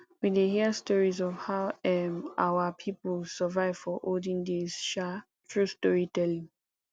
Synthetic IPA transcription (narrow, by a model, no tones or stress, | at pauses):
widehiəstɔɹizɔvhaʊɛmʔawəpʰipəlsəvaɪv̥fɔʔoldĩŋdesʃa | tʰɹustɔɹitɛlĩŋ